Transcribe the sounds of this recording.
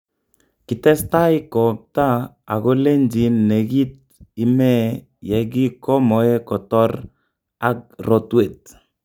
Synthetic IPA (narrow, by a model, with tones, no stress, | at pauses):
kɪ˨tɛ˦sta˦i˦kɔ˨p̚ta˦ | a˨ɣɔ˦le˦nd͡ʒi˨nːe˨ɡi˦t̚ | i˦mɛ˦ | jɛ˨ɡi˦kɔ˦mɔ˨ɛ˦kɔ˨tɔ˦ɾ | a˦k̚rɔ˨twe˨t̚